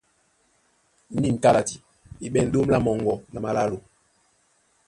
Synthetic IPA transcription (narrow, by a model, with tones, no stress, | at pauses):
ni˦˨n̩˨ka˦la˨ti̥˨ | i˨ɓɛ˦˨n̩˦do˦m˦la˦mɔ˨ŋɡɔ˨na˨ma˨la˦lo˨